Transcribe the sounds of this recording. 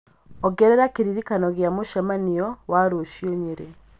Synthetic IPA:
ɔɡɛɾɛɾakeɾiɾikanɔɣjamoʃamaniɔwaɾoʃioɲeɾe

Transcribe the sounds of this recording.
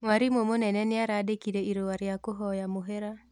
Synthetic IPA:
ŋwaɾimomonɛnɛnɪaɾadekiɾɛiɾowaɾjakoɦɔjamoɦɛɾa

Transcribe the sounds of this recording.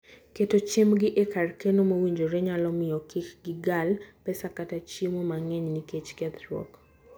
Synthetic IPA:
ketot͡ʃemɡɪʔekarkenomowiɲd͡ʒoɾɛɲalɔmɪjɔkikɡɪɡalpɛsakatat͡ʃimomaŋɛɲniket͡ʃkɛd̪ɾɔ̰k

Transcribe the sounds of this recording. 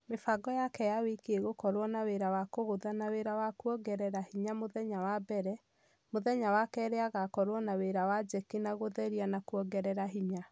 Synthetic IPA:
mefaɡɔjakɛjawekeɣokɔɾwɔnaweɾawakoɣoðanaweɾawakwɔɡɛɾɛɾahiɲamoðɛɲawabɛɾɛ | moðɛɲawakɛɾeaɣakɔɾwɔnaweɾawad͡ʒɛkinaɣoðɛɾianakwɔɡɛɾɛɾaɦiɲa

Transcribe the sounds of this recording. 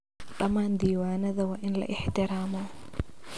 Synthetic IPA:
ɗɐmaːnd̪iːwaːnɐðɐwaːʔɪnlɐ̰ʔɪħt̪ʰɪɾaːmɔ

